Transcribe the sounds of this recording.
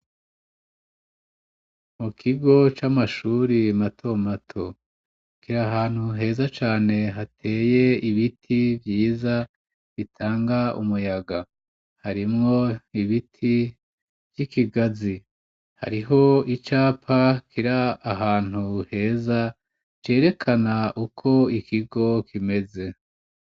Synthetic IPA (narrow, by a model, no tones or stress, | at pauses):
mukʰiɡo̞t͡ʃamaʃuːɾimatʰo̞matʰo̞ | kiɾaɦaːn̥huɦe̞ːzat͡ʃaːne̞ɦatʰe̞ːje̞iβitʰivjiːza | βitʰaːŋɡaṵmujaɡa | haɾimŋo̞iβitʰi | vjikiɡazi | ha̰ɾiɦo̞it͡ʃaːpʰakʰiɾaːɦaːn̥huhe̞ːza | t͡ʃe̞ːɾe̞kʰanaʔukʰo̞ikʰiɡo̞kime̞ze̞